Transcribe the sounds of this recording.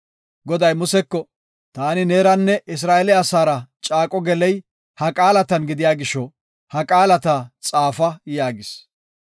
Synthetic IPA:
ɡɔd̪ɐjmʊsɛkːɔ | t̪aːnɪneːɾɐnːɛʔɪs̬ɾaːʔɛlɪaːsaːɾɐt͡ʃʼaːkʼɔɡɛlɛj | hɐkʼaːlɐt̪ɐnɡɪd̪ɪjaːɡɪʃːɔ | hɐkʼaːlɐt̪at͡sʼaːfɐjaːɡɪs

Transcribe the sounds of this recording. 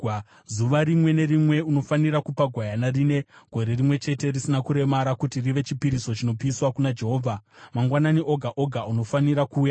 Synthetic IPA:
zuʋaɾimwe̞ne̞rimwe̞uno̞faniɾakupaɡʱwajanarine̞ɡʱo̞ɾe̞rimwe̞t͡ʃe̞te̞risinakuɾe̞maɾakutiriʋe̞t͡ʃipiɾiso̞t͡ʃino̞piːswakunad͡ʒe̞ɦo̞ːvʱamaŋɡwananiʔo̞ɡʱaʔo̞ɡʱauno̞faniɾakuːja

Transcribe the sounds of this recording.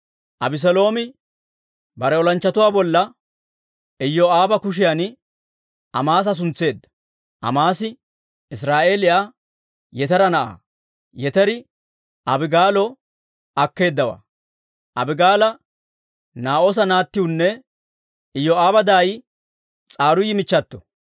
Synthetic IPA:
ʔɐbɪs̬ɔlo̞ːmɪ | bɐɾɛɔlɐnt͡ʃːɐt̪ʊwaːbɔlːɐ | ɪjːɔaːbɐkʊʃ̬ɪjan | ɐmaːs̬ɐs̬ʊnt͡sːe̞ːd̪ːɐ̥ | ʔɐ̰maːsɪ | ɪsɾaːʔe̞ːlɪjaː | jɛt̪ɐɾɐnɐʔa̰ː | jɛt̪ɛɾɪ | ʔɐbɪɡaːlɔ | ɐkːe̞ːd̪ːɐwa̰ː | ʔɐbɪɡaːlɐ | naːʔos̬ɐnaːt̪ːɪwʊnːɛ | ɪjːɔaːbɐd̪aːj | t͡sʼaːɾʊjɪmɪt͡ʃːɐt̪ːɔ̥

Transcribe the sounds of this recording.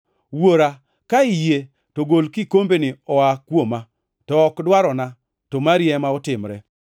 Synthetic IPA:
woɾa | kaɪje | toɡolkikombenɪɔakwoma | tɔːkdwaɾɔna | tomaɾjɛmaɔtɪmɾɛ̰

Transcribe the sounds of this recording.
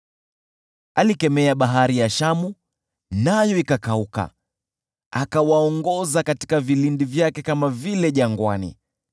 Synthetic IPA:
alikɛmɛaɓaɦaɾijaʃamu | najɔikakauka̰ | akawaɔŋɡɔzakati̥kavilindivjakɛkamavilɛʄaŋɡwanḭ

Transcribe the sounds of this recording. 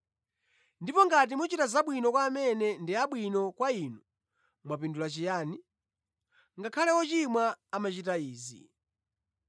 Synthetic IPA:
ndipɔŋɡat̬imut͡ʃitazaɓwinɔkwaːmɛnɛndiaɓwinɔkwainu | mwapindulat͡ʃijaːni | ŋɡakʰalɛwɔt͡ʃimwaːmat͡ʃitaiːzḭ

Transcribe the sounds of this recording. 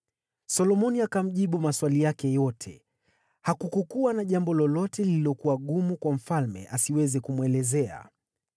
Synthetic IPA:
sɔlɔmɔniakam̩ʄiɓumaswalijakɛjɔtʰɛ | hakukukuanaʄambɔlɔlɔtɛlililɔkuwaɠumukwam̩falmɛ̰ʔasiwɛzɛkumwɛlɛzɛa̰

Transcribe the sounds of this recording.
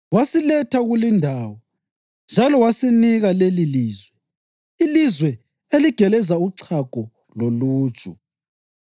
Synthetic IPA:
wasilɛtʰaɣulindʱaːwɔ | nd͡ʒʱalɔwasiniɣaleliliːzwɛ | ilizwɛ | eliɡ̥ʱɛlɛzauǀʰaɡ̥ʱɔ | lolu̥ːt͡ʃʼu

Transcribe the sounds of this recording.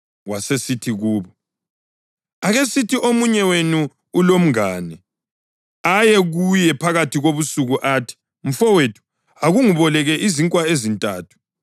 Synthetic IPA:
wasesitʰiɣuːβɔ | aɣesitʰiʔomuɲɛwenuː | lom̩ŋaːnɛ | ajɛɣujɛpʰaɣatʰiɣoβusuɣuʔaːtʰi̥ | m̩fɔwetʰu̥ | aɣuŋuβɔlɛɣɛʔiziŋkʼwaezintʼaːtʰu̥

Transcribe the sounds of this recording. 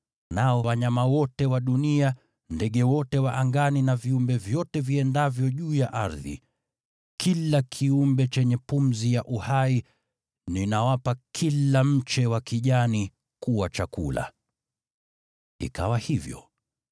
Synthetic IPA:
naɔwaɲamawɔtɛwaɗunia | ndɛɠɛwɔtɛwaʔaŋɡaninaviumbɛvjɔtɛviɛndavjɔʄuːjaʔaɾðḭ | kʰilakʰiumbɛt͡ʃɛɲɛpum̩zijaʔuhai | ninawapakʰilam̩t͡ʃɛwakiʄani | kuwat͡ʃakṵla̰ | ḭka̰wahivjɔ̰

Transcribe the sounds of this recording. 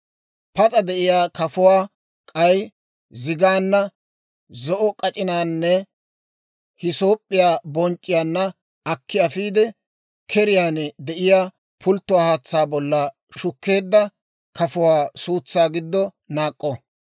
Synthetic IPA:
pɐt͡sʼɐd̪ɛʔɪjaːkɐfʊwaː | kʼɐj | zɪɡaːnːɐ | zɔʔɔkʼɐt͡ʃʼɪnaːnːɛ | hɪsoːpʼːɪjaːbɔnt͡ʃʼːɪjaːnːɐ | ɐkʰːɪɐfiːd̪ɛ | kʰɛɾɪjaːnɛd̪ɛʔɪjaː | pʰʊlt̪ːʊwaːhaːt͡sːaːbɔlːɐ | ʃʊkːe̞ːd̪ːɐ | kɐfʊwaːsuːt͡sːaːɡɪd̪ːɔ | naːkʼːɔ

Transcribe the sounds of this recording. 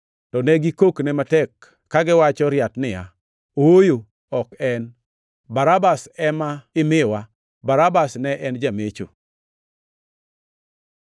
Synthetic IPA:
tɔnɛɡikoknɛmatɛkː | aɡɪwat͡ʃɔɾjatnɪja̰ | oojo | ɔkɛn | baɾabasɛmaɪmɪwa | baɾabasnɛʔɛnd͡ʒamet͡ʃo̰

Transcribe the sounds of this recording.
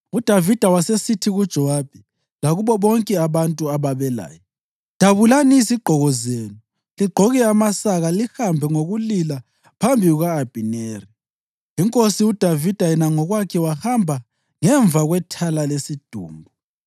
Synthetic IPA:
ud̥ʱavid̥ʱawasesitʰiɣud̥ʒ̥ʱɔwab̥ʱi | laɣuβɔβɔŋkʼɛaβantʼuaβaβɛla̰ːjɔ | d̥ʱaβulanisiɡ͡ǃʱɔɣɔzeːnu | liɡ͡ǃʱɔɣɛamasaɣalihambʱɛŋoɣulila | pʰambʱiɣuɣaːb̥ʱineːri | iŋkʼosiud̥ʱavid̥ʱajɛnaŋɔɣwakʰɛwahambʱa | ŋɛɱvʱaɣwɛtʰalalesid̥ʱṵːmbʱɔ

